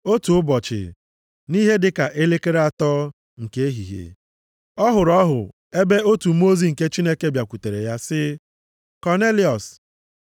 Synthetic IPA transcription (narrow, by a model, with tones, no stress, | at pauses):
o˦tu˨ʊ˦bɔ˨t͡ʃɪ̰˨ | ni˦ɦe˦dɪ˦ka˨ʔe˦le˦ke˦ɾe˦a˨tɔ˦ | ŋ̩˨ke˦e˦ɦḭ˨ɦḛ˨ | ɔ˦ɦʊ˨ɾɔ˦ɦʊ̰˨ | e˦be˦o˦tu˨m˦o˦zi˨ŋ̩˨ke˦t͡ʃi˦ne˦ke˦bja˨kʷu˨te˨ɾḛ˨ja˦sɪ˦ | kɔ˨ne˦li˨ɔ˨s